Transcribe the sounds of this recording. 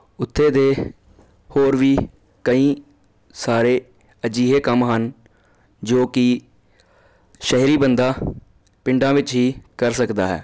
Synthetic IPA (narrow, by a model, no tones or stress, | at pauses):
ʊt̪ʰːeːd̪eː | hoːɾʋiː | kəĩː | saːɾeː | əd͡ʒiːɦeːkəmɦən | d͡ʒoːkɪ | ʃɛɦɾiːbənd̪aː | pɪɳɖãːʋɪt͡ʃɦiːkəɾsəkd̪aːɦɛ̰ː